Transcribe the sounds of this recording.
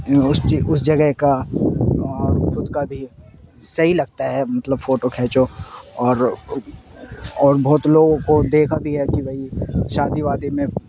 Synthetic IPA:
ʊsiʊsd͡ʒɐɡəɦka | ɔːɾxʊd̪kabʱi | sɐɦilɐɡ̚t̪aɦɛmɐt̪ləbfoːʈokʰɛːt͡ʃoɔːɾ | ɔːɾbɔːt̪loːɡõkod̪eːkʰabʱiɦɛkibʱɐiʃaːd̪iʋaːd̪imẽ

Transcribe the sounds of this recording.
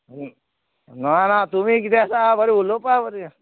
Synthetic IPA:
nanat̪umiːk̬it̪easabəɾiulopabəɾi

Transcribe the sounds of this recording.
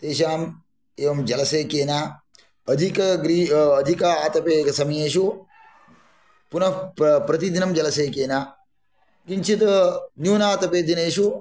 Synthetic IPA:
t̪eːʃ̬aːm | eːʋɐmd͡ʒɐlɐseːkeːnaː | ɐd̪ʱikɐɡɾiːɐd̪ʱikaaːt̪ɐpeːkɐsɐmieːʃu | punɐpɾɐt̪id̪inɐmd͡ʒɐlɐseːkeːnaː | kint͡ʃʰit̪njuːnaːt̪ɐpeːd̪ineːʃu

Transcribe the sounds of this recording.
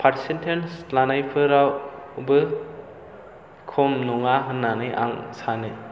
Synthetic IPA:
pʰaɾi̥sentʰenslanajpʰɯɾawbɯ | kʰɔmnɔŋaɦɯnːanɯjʔa̰ŋsanɯ

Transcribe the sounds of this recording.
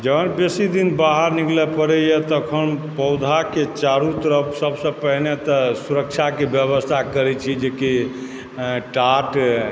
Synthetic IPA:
d͡ʒəbənbesid̪inbaɦəɾniklɛpəɾɛjet̪ɔːkʰənpəʊd̪ʱaket͡ʃaɾut̪əɾəpsəbsə̃pəɦnet̪ɔsuɾək̚t͡ʃʰakebjəβəst̪ʰakəɾɛt͡ʃʰid͡ʒeki | ʈaʈ

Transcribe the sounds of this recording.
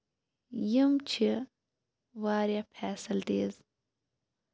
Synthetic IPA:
jimt͡ʃʰi | ʋaːɾjapʰɛːsɐlt̪eːz

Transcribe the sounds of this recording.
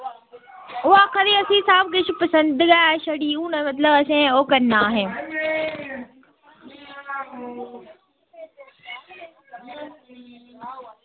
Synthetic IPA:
ʊɦaːkʰɐɾiːɐsĩːsaːbkɪt͡ʃʰpɐsə̃nd̪ɡaːʃɐɽiːũːnəmɐt̪̬ləbɐsẽoːkɐnːaːɦeː

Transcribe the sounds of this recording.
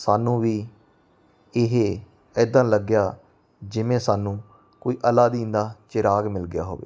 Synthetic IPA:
saːnũːʋiː | ɪɦeː | əːd̪ãːləɡɪjaː | d͡ʒɪmẽːsaːnũː | koːiːʔəlaːd̪ĩːnd̪aːt͡ʃɪɾaːɡmɪlɡɪja̰ːɦo̰ːʋḛː

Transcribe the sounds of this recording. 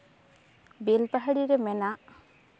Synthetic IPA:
belpaɦaɽiɾemɛnaʔ

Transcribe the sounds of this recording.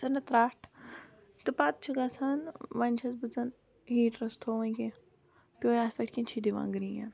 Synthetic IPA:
sɐnɐt̪ɾaːʈʰ | t̪ɨpat̪̚t͡ʃʰuɡat͡sʰanʋɐnʲt͡ʃʰɐt͡sbɨd͡zɐn | ɦiːʈɾɐst̪ʰoːʋɐ̃kẽ | pʲoːjaspɐʈʰkʲĩnt͡ʃʰid̪iʋã̰ːŋɡɾija̰n

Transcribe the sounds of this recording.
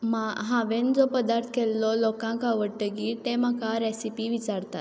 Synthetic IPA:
maɦãʋend͡zɔpəd̪aɾt̪ʰə̥kɛlːɔlɔkãŋkaʋəɽʈ̪əɡiːt̪em̤akaɾɛsipiʋit͡saɾt̪at̪

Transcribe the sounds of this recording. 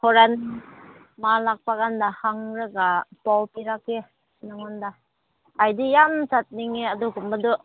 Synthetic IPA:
hɔɾan | malak̚paɡandahaŋɾɯɡapawpiɾake | naŋɔnda | ajdijamsat̚niŋeaduɡumbadu

